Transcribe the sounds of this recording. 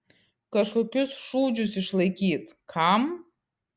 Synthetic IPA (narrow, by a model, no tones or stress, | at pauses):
kʼaʂakʲʊsʂud͡ʒusiʂlakʲʰitʼkʰam